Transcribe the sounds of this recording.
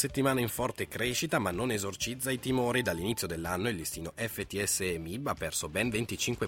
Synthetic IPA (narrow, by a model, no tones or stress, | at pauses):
set̪ːimaːnaiɱfɔrt̪ekɾeʃit̪amanːonezort͡ʃid̪zːait̪imoːɾid̪alːinit̪sjod̪elːanːoild̪ist̪iːnoʔɛfːet̪iɛsːemibːapːɛrsobɛnvent̪it͡ʃiŋkwe